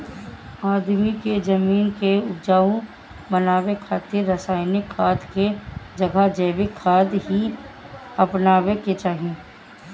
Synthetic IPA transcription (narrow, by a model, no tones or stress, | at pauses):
aːd̪miked͡ʒəmiːnkeʊpd͡ʒaːõ | bənaːwekʰaːt̪eɾːəsaːɪnɪkʰːaːd̪ked͡ʒɐɡʱad͡ʒəːʋɪkʰːaːd̪ɦi | ɐpnaːweket͡ʃaːɦiẽː